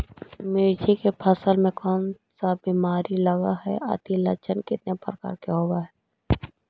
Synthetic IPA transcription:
mɪɾd͡ʒikepʰəsəlmẽkɔːn | sabiːmaːɾiləɡaɦɛ̰ʔə̰t̪ilə̰t͡ʃənkɪt̪nepəɾəka̰ːɾkeɦoːwaɦɛ

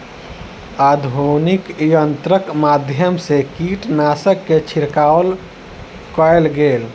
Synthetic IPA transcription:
ad̪ʱonikjənt̪ɾəkmad̪ʱjəmsekiʈnasəkːet͡ʃʰiɾkaol | kəjlɡel

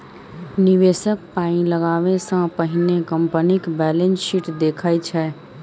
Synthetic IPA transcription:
niʋeːsək̚paːĩləɡaːʋẽsə̃pəɦɪnekəmpənikbɛːlensʃiʈd̪eːkʰait͡ʃʰɛ

